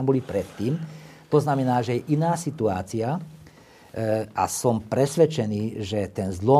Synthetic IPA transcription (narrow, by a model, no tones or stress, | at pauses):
ambɔlipɾɛt̪ːiːmt̪ɔznamɛnaːʒɛjɛʔinaːsit̪uaːt͡sia | ʔa̰sɔmpɾɛsʋɛt͡ʃɛniːʒɛt̪ɛnzlɔ